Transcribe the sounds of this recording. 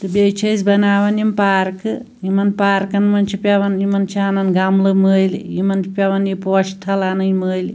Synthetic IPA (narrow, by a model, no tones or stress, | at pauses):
t̪ɨbeːt͡ʃʰɐsʲbɐnaːʋɐnjimpaːɾkɨjimɐnpaːɾkɐnmɐnt͡ʃʰipʲɐʋɐnimɐnt͡ʃʰaːnɐnɡɐmlɨməːjlḭjimɐnt͡ʃipʲjɐʋɐnipoːʃʈʰɐlaːnɐjiməːjli